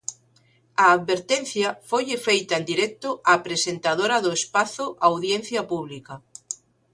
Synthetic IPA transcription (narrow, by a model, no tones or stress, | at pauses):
aːðβeɾt̪enθjɐfojefejt̪aend̪iɾɛk̚t̪ʊʔapɾesent̪aðoɾɐðʊespaθʊʔawðjenθjɐpuβlika